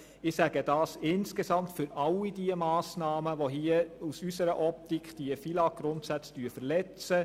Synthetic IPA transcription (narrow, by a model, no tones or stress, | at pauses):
ɪsæɡ̥əd̥ɑːsɪnskesɑmtfʏɾɑlːidiəmɑːsnɑːməʋoɦiəusysəɾəʔɔp̚tikʰd̥iəfilɑɡ̥ɾʊntsæt͡sd̥yːɾfəɾlɛt͡sə